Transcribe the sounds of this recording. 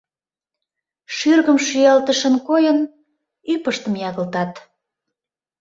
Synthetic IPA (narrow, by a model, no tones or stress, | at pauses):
ʃyrɣəmʃyjɑlt̪əʃənkojən | ypəʃt̪əmjɑɣə̆lt̪ɑt̪